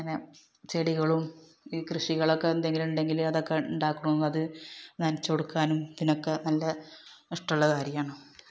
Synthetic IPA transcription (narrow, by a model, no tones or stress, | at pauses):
ɐne | t͡ɕeɽiɣɐɭum | iːkrɨʂiɣɐɭokːeːnd̪eŋɡiluɳɖe̞ŋɡilɐðokːeuɳɖaːkːuɳunːɐðɨɲaːnt͡ɕːoɽukːaːnumd̪inokːenɐlːɐ | iʂʈulːɐkaːɾijaːɳo